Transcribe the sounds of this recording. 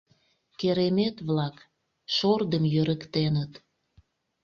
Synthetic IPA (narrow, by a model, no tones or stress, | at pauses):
keɾemet̪βlɑk | ʃord̪əmjøɾəkt̪enət̪